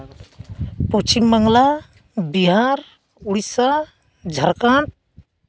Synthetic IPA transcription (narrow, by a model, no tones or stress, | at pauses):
put͡ʃimːəŋla | biɦaɾ | uɽisa | d͡ʒʱəɾkãɳ